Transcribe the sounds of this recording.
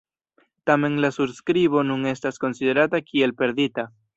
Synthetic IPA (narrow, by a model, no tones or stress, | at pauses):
t̪ameŋlasuɾskɾiβo̞nũŋe̞st̪asko̞nsiðe̞ɾat̪akʰielpe̞ɾðit̪a